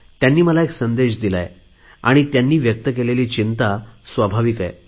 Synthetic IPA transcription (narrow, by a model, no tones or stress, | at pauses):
t̪janːiːməlaeksənd̪eɕ̬d̪ila̰j | a̰ɽ̃it̪janːiːʋjək̚t̪əkeleliːt͡ɕint̪asʋabʱaʋika̰j